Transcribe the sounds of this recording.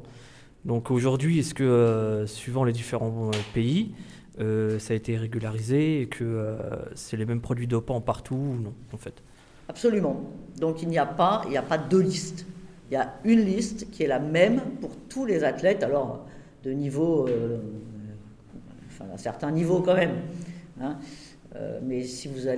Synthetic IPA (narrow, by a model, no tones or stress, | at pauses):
d̪ɔ̃koʒuʁd̪ɥiɛskəøsɥivɑ̃led̪ifeʁɑ̃øpei | øsaːet̪eʁeɡʲylaʁizeːkʰəøsɛlemɛmpχɔd̪ɥid̪ɔpɑ̃paʁt̪ʰuːnɔ̃ɑ̃fɛt̪ | apsɔlymɑ̃d̪ɔ̃kilniapaḭljapad̪ølist̪iljaynlist̪kʲiɛlamɛmpuʁt̪ʰulezat̪lɛt̪alɔʁ̰ | d̪ənivoø | ɑ̃fɛ̰̃d̪a̰sɛ̰ʁt̪ɛ̃nivokɑ̃mɛmɛ̃ | ø̰mɛsivuza